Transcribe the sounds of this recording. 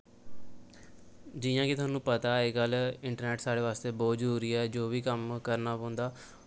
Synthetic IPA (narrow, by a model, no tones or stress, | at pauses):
d͡ʒɪːjãːkɪt̪ʰʊaːnːũːpət̪aːeːɡəlːɪɳʈəɾnɛːʈsaːɽeːʋaːst̪eːboːd͡ʒɾuːɾiːɛːd͡ʒoːʋiːkəmkəɾnaːpõːnd̪aː